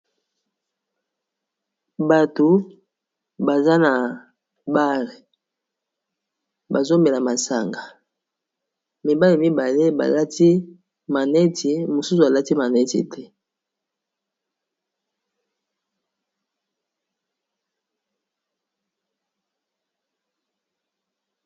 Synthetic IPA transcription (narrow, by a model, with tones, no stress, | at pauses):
ba˨to˨ | ba˨za˦na˨ | ba˦le˨ | ba˨zo˦me˨la˨ma˨sa̰˨ŋɡa˨ | mi˨ba˦le˨mi˦ba˨le˦ba̰˨la˦tʰi˦ | ma˨nɛ˦tʰi˨mo˨su˦su˨a˨la˦ti˦ma˨nɛ˦tḭ˨tʰɛ˦